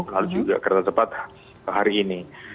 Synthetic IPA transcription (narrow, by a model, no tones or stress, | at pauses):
lalud͡ʒuɡa̰ʔkərnasəpat̪ | ɦaɾiːni